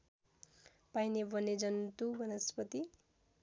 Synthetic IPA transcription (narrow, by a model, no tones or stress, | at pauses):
pajnebʌned͡zʌnt̪ubʱʌnʌspʌt̪i